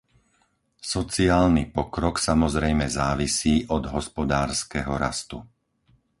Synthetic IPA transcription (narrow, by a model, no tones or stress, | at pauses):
sɔt͡siaːlnipɔkɾɔksamɔzɾɛjmɛzaːʋisiːʔɔd̪ɦɔspɔd̪aːɾskɛɦɔɾa̰st̪u